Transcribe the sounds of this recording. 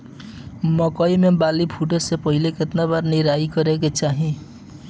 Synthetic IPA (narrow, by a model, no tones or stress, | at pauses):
mʌkʌjmebalipʰuʈosepʌɦileket̪nabarniɾajkʌɾekot͡saɦĩ